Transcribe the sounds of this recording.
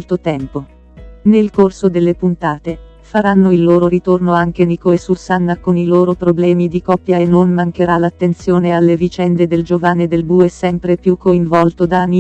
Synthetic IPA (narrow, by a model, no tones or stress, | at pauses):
lt̪ot̪ɛmpo | nelkorsod̪elːepunt̪aːt̪e | faɾanːoilːoːɾoɾit̪ornoaŋk̟enikoesusanːakoniloːɾopɾoblɛːmid̪ikɔpːjaenːonmaŋk̟eɾalat̪ːent̪sjoːnealːevit͡ʃɛnd̪ed̪eld͡ʒovanːed̪elbuɛsɛmpɾepjukːoiɱvɔlt̪od̪ani